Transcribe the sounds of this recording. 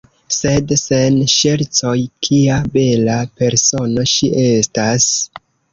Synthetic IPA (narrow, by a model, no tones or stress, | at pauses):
se̞dsenʃe̞ɾt͡so̞jkʰiabe̞lape̞ɾso̞no̞ʃiʔe̞stas